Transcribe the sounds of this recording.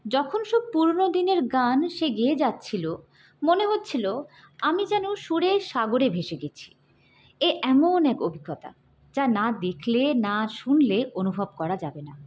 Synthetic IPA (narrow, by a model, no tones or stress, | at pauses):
d͡ʑɔkʰonʃopuɾnod̪ineɾɡanʃeɡied͡ʑatːɕʰilo | moneɦotːɕʰilo | amid͡ʑɛnoʃuɾeʃaɡoɾebʱeʃeɡet͡ɕʰi̥ | eʔɛmonɛkobʱiɡːɔt̪a̰ | d͡ʑanad̪ekʰlenaʃunleonubʱob̚kɔɾad͡ʑabena